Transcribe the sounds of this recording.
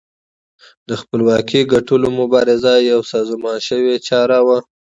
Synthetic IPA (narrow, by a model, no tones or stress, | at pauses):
d̪əxpəlwɑkiɡaʈəlomʊbɑɾɪzajawsɑzmɑnʃəwet͡ʃɑɾawa